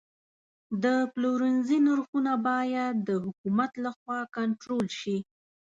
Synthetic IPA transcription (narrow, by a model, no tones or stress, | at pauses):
d̪əploɾənzinaɾxunabɑjad̪ːəhʊkumat̪laxwɑkaɳʈɾolʃi